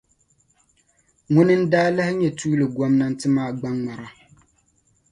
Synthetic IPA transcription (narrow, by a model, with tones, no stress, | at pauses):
ŋʊ˦nɨ˦n̩˦daː˦la˦hɪ˦ɲɛ˨tuː˦lɨ˨ɡɔ˦mna˦n̩˦tɨ˦maː˦˨ɡ͡ba˦ŋŋ͡ma˨ɾa˨